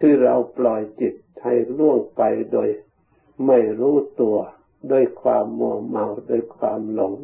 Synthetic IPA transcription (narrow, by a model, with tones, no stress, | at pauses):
tʰɯː˧˩ɾa˧wplɔ˨˩jt͡ɕi˨˩t̪̚ha˨˩jlu˥˩əŋpa˧jdoː˧j | ma˧˥˩jɾuː˦˥t̪u˧ɐ | doː˧˩˨jkʰwaː˧mːu˧˩ma˧wdoː˧˩jkʰwaː˧mlo˧˦ŋ